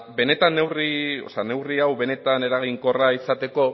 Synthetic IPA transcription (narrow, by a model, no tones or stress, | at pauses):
be̞ne̞t̪anːe̞wrio̰sane̞wriawβe̞ne̞t̪ane̞ɾaɣ̞iŋko̞raisat̪e̞ko̞